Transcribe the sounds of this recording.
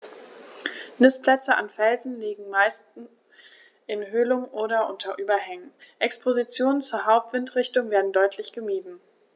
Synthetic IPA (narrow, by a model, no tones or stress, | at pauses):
nɪspʰl̥ɛt͡səa̰nfɛlzn̩liːɡŋ̩maɪstn̩ | ʔɪnɦølʊŋʔoːɾɐʔʊntʰɐʔyːbɐɦɛŋən̩ʔɛkspʰozit͡sjoːnənt͡suːɐɦaʊp̚tv̥ɪntʁ̥ɪçtʊŋveːɐdn̩dɔʏtʰlɪçɡ̥əmiːdn̩